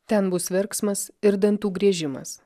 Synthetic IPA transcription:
t̪ʲɛnbʊsʋʲɛɾksmɐsɪɾd̪ɐnt̪uːɡɾʲiɛʒʲɪmɐ̰s

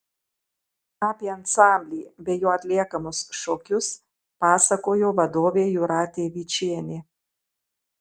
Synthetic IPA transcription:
ɑːpʲiɐnsɑˑmʲbʲlʲiːbʲɛjoːɐt̪ʲlʲiɛkɐmʊsʃokʲʊs | pɑːsɐkoːjoːʋɐd̪oːʋʲeːjʊɾɑːt̪ʲeːʋʲiːt͡ʃʲiɛnʲe

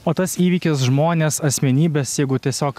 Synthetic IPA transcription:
oːt̪ɐsiːʋʲiːkʲɪs̬ʒmoːnʲeːsɐsʲmʲɛnʲiːbʲesjɛɪɡʊt̪ʲiɛsʲoːk

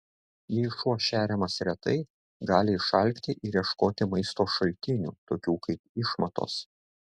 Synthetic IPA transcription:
jɪʃuɔʃʲæːɾʲɛmɐsɾʲɛt̪ɐɪ | ɡɑːlʲɪɪʃɐlʲkʲt̪ʲɪʔɪɾʲiɛʃkoːt̪ʲɪmɐɪst̪oːʃɐlʲt̪ʲɪnʲṵːt̪oːkʲuːkɐɪpɪʃmɐt̪o̰ːs

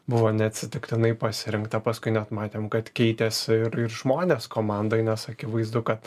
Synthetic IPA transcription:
bʊʋoːnʲɛɐt̪ʲsʲɪt̪ʲɪkt̪ʲɪnɐɪpɐsʲɪɾʲɪŋkt̪ɐpɐskʊɪnʲɛt̪mɑːt̪ʲeːmkɐt̪kʲɛɪt̪ʲeːsʲɪɪɾɪrʒmoːnʲeːskoːmɑnd̪oːɪnʲɛsɐkʲɪʋɐɪzd̪ʊkɐt̪

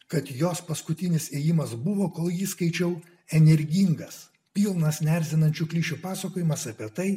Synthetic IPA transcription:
kɐt̪joːspɐskʊt̪ʲɪnʲɪseːjɪmɐsbʊʋoːkoːlˠjiskɐɪt͡ʃʲɛʊ | ɛnʲɛɾʲɡʲiŋɡɐs | pʲiːlˠnɐsnʲɛɾʲzʲɪnɐnʲt͡ʃʲuːklʲiːʃʲupɑːsɐkoːjɪmɐsɐpʲiɛt̪ɐɪ

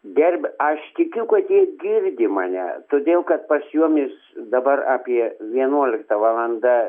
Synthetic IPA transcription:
d̪ʲɛrʲbʲɐʃt̪ʲɪkʲʊkɐt̪jiɛɡʲɪrʲd̪ʲɪmɑːnʲɛ̰t̪oːd̪ʲeːlˠkɐt̪̚pɐsjuɔmʲɪs | d̪ɐbɐraːpʲiɛʋʲiɛnuɔlʲɪkt̪ɐʋɑːlˠɐnd̪ɑ

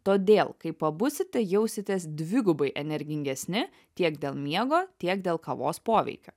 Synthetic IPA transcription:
t̪oːd̪ʲeːlˠkɐɪpɐbʊsʲɪt̪ʲɛjɛʊsʲɪt̪ʲeːsd̪ʲʋʲɪɡʊbɐɪʔɛnʲɛɾʲɡʲɪŋʲɡʲɛsʲnʲɪ | t̪ʲiɛkd̪ʲeːlˠmʲiɛɡoːt̪ʲiɛkd̪ʲeːlˠkɐʋo̰ːspoːʋʲɛ̰ɪkʲo̰ː

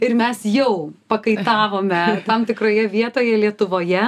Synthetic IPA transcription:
ɪɾmʲɛsjɛʊpɐkɐɪt̪ɑːʋoːmʲɛɐrt̪ɐmt̪ʲɪkɾoːjɛʋʲiɛt̪oːjɛlʲiɛt̪ʊʋoːjɛ

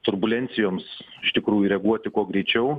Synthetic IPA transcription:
t̪ʊrbʊlʲɛnʲt̪sʲɪjoːms | ɪʃt̪ʲɪkɾuːjʊɾʲɛɡuɔt̪ʲɪkuɔɡɾʲɛɪt͡ʃʲɛʊ

